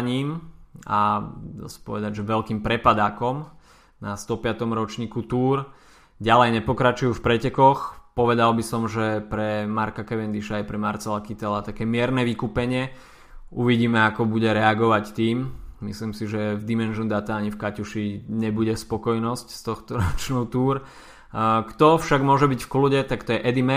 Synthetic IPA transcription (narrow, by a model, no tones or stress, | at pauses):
ɲiːmad̪a̰si̥pɔʋɛd̪aɟʒɛʋɛlkiːmpɾɛpad̪aːkɔm | nast̪ɔpɪat̪ɔmɾɔt͡ʃɲiːkut̪uːɾ | ɟalɛjɲɛpɔkɾat͡ʃujuːfpɾɛcɛkɔxpɔʋɛd̪albisɔmʒɛpɾɛmaɾkakɛʋɛnd̪iʃaːjpɾɛmaɾt͡sɛlakit̪ɛlat̪akɛːmɪɛɾnɛʋikupɛɲɪɛ | uʋiɟiːmɛakɔbuɟɛɾɛaɡɔʋact̪iːmmisliːmsiʒɛvd̪imɛnʒund̪at̪aaɲifkacuʃiɲɛbuɟɛspɔkɔjnɔscst̪ɔxt̪ɔɾɔt͡ʃnɔʊt̪uːɾ | kt̪ɔfʃaɡmʊɔʒɛbicfkluɟɛt̪akt̪ɔjɛʔɛd̪imɛ